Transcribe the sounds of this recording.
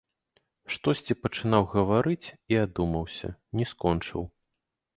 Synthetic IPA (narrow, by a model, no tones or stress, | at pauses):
ʂt̪ɔsʲt͡sʲipɐt͡ʂɨnawɣɐvaɾɨt͡sʲiad̪umɐwsʲɐ̰nʲɛskɔnt͡ʂɨ̰w